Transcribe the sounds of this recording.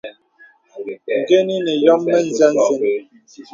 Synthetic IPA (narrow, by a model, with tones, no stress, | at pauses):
ŋ̩˨ɡe˦ni˦nɛ˨jɔ˦mːɛ˦n̩˦˨za˦n̩˦ze˦n˨